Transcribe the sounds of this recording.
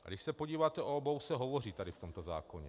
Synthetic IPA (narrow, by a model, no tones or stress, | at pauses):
dɪʃsɛpoɟiːvaːt̪ɛʔoobowsɛɦo̞vo̞riːt̪adɪft̪omt̪oza̰ːkoɲɛ